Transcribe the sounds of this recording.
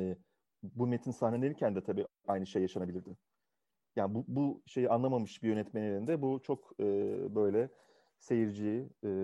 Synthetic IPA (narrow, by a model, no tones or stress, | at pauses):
ɛː | bume̞t̪ʰinsahnelʲeɾincʰænd̪ɛt̪ʰabiːʔajnɯʃejːaʃanabilʲiɾd̪ɪ | jaːnbubuʃe̞jianlˠamamɯʃbijø̞nɛt̪meninelʲind̪ɛbut͡ʃʰo̞kɯːbø̞jlʲɛ | se̞jiɾd͡ʒijː